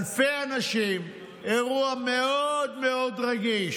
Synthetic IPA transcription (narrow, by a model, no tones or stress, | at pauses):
lfeanaʃim | eʁuameod̪meo̞d̪ʁaɡiʃ